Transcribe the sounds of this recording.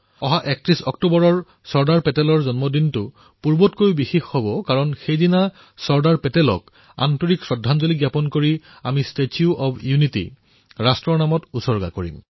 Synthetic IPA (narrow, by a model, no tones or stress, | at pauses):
ɔɦaʔɛk̚tɹisɔktubɔɹɔɹ | sɔɹdaɹpɛtɛlɔɹzɔnmɔdintʊ | puɹbɔtkojubixixhɔbɔkaɹɔnxejdina | sɔɹdaɹpɛtɛlɔ̰k | a̰ntoɹiksɹɔdʱːanzoliɡjapɔnkoɹi | amistetʰiuʔɔbjunitḭ | ɹastɹɔɹnamɔtusɔɹɡa̰koɹḭm